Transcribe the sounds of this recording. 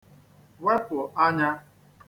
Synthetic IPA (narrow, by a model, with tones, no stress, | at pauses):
we˦pʊ˨ʔa˦ɲa˦